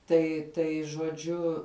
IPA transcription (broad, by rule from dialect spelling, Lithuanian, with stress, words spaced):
ˈtɐɪ ˈtɐɪ ʒuɔˈd͡ʒʲʊ